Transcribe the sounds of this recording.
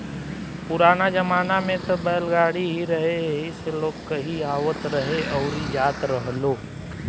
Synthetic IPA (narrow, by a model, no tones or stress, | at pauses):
pʊɾaːnad͡ʒɐmaːnamẽt̪ɐbəəlɡaːɽiɦiɾɐɦeɦɪseloːɡkɐɦiaːʋət̪ɾɐɦeʔɔːɾɦijaːt̪ɾəɦloː